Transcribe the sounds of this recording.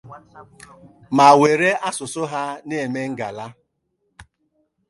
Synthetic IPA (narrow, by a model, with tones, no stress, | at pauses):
ma˨we˨ɾe˦a˦sʊ˨sʊ˦ɦa˦ne˦˨e˨me˦ŋ̩˦ɡa̰˨la˦